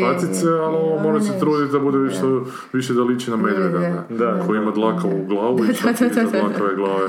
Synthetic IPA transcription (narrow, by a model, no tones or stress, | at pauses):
at̪it̪sealoʋomo̞ɾeset̪ɾuːd̪it̪ʲd̪abud̪eiʃt̪o | ʋiʃed̪alit͡ʃinamed̪ʋed̪aned̪akʰojimad̪lˠakauɡlˠaːʋuiidlakaʋeɡlˠaːʋe